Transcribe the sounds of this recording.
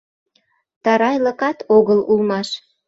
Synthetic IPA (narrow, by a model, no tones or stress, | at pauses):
t̪ɑɾɑjlə̆kɑt̪oɣəlulmɑʃ